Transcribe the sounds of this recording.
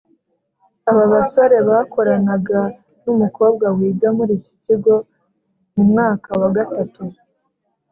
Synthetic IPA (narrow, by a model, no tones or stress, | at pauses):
aβaβaso̞ɾe̞βako̞ɾanaɡa | numuko̞ːb̚ɡawiːɡamuɾici̥ciɡo̞ | mumŋaːkawaɡatatu